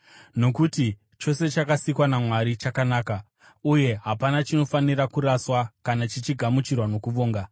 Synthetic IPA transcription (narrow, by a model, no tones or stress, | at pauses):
no̞kuti | t͡ʃo̞se̞t͡ʃakasikwanamwaɾit͡ʃakanaːka | uje̞ɦapanat͡ʃino̞faniɾakuɾaswakanat͡ʃit͡ʃiɡʱamut͡ʃirwano̞kuʋoːŋɡa